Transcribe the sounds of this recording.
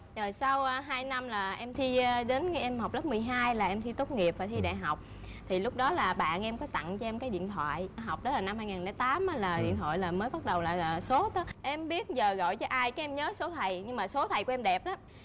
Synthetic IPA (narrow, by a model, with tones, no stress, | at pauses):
zo˨˩jsa˧wɦaː˧jna˧mlaː˨˩ʔɛ˧mt̪ʰi˧ɗe˨˦n˧ʔɛ˧mha˨˩wk͡p̚lə˦˥p̚mɨ˨˩əjɦaː˧jlaː˨˩ʔɛ˧mt̪ʰi˧t̪o˦˥k͡p̚ŋi˨˩əp̚vaː˨˩t̪ʰi˧ɗa̰ː˧˨jɦa˨˩wk͡p̚ | t̪ʰi˨˩lʊ˦˥k͡p̚ɗɔ˨˦laː˨˩ɓa̰ː˧˨nʔɛ˧mkɔ˨˦t̪a̰˧˨ŋt͡ɕɔ˧ʔɛ˧mkaː˨˦jɗḭ˧˨ənt̪ʰwa̰ː˧˨jɦa˨˩wk͡p̚ɗɔ˨˦laː˨˩na˧mhaː˧jŋaː˨˩nlɛ̰˧˩jt̪aː˨˦mʔaː˨˦laː˨˩ɗḭ˧˨nt̪wo̰˧˨jlaː˨˩məː˨˦jɓa˦˥t̚ɗə˨˩wlaː˨˩˨so˨˦t̪ə˨˦ʔɛ˧mɓi˦˥ət̚zəː˨˩ɣɔ̰˧˨jt͡ɕɔ˧ʔaː˧jkaː˨˦ʔɛ˧mɲəː˨˦so˨˦t̪ʰə˨˩jɲɨ˧ŋmaː˨˩so˨˦t̪ʰə˨˩jku˧ʔɛ˧mɗɛ˨˩p̚ʔaː˨˦